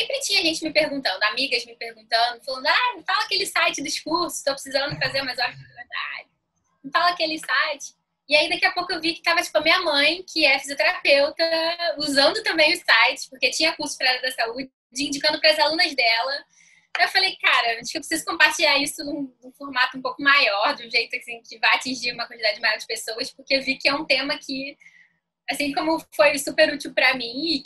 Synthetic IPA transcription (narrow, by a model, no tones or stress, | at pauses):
sẽpɾɪt͡ʃĩɲɐʒẽnt͡ʃɪmɪpeɾɡũnt̪ɐ̃nd̪ʊamiɡɐzmɪpehɡũnt̪ɐ̃d̪ʊfalɐ̃nd̪ʊajfalɐakelɪsajt͡ʃɪd̪iʃkuɾsʊ̥ɪʃt̪owpɾɪ̥sizɐ̃nd̪ʊfazeɾmajzãveɾd̪a̰d͡ʒɪ̃ | falɐakelɪsajt͡ʃɪ̥ | ɪːaid̪akiɐpowkʊewvikɪ̥t̪avɐt͡ʃi̥pʊɐmĩɲɐmɐ̃j̃kɪɛɾɐfiziot̪eɾapewt̪ɐuzɐ̃nd̪ʊt̪ɐ̃mbẽj̃ʊsajt͡ʃɪ̥pʊχket͡ʃĩɲɐkuɾsʊ̥pɾɐɛlɐd̪ɐsaud͡ʒɪd͡ʒɪĩnd͡ʒikɐ̃nd̪ʊpɾɐɐzalũnɐzd̪ɛlɐ | aewfalejkaɾɐiʃkewpɾɪsizʊ̥kõpaɾt͡ʃiʎaɾisʊd̪ũd̪ũfoɾmat̪ʊũmpowkʊmajɔɾd̪ũʒejt̪ʊasĩkɪvajat͡ʃĩʒiɾũmɐkwɐ̃nt͡ʃɪd̪ad͡ʒɪd͡ʒɪmajɔɾɐd͡ʒɪpesowɐspʊkeewvikɪɛũt̪ẽmɐkʰɪ | asĩkõmʊfojsupeɾut͡ʃiwpɾɐmĩɪ